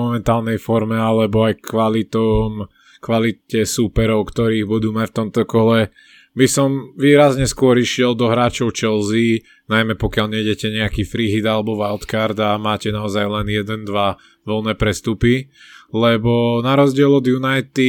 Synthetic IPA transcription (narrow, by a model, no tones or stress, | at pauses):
ɔmɛnt̪aːlˠnɛjfɔɾmɛalɛbɔajkʋalit̪ɔm | kʋalitɛsupɛɾɔʊkt̪ɔɾiːɣbud̪uːmacft̪ɔmt̪ɔkɔlɛ | bisɔmʋiːɾazɲɛskʊɔɾiʃɪɛld̪ɔɦɾaːt͡ʃɔʊt͡ʃɛlzi | najmɛpɔkjalɲɛɟɛcɛɲɛakiːfɾiɦid̪alɛbɔʋaʊt̪kaɾd̪amaːcɛnaɔzajlɛnjɛd̪ɛnd̪ʋa | ʋɔlnɛːpɾɛst̪upi | lɛbɔnaɾɔzɟɪɛlɔd̪junajt̪i